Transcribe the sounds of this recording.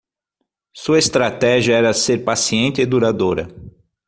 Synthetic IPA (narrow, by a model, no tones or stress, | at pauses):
suɐest̪ɾat̪ɛʒiɐɛɾɐseɾpasiẽnt̪ɪɪd̪uɾad̪oɾɐ̰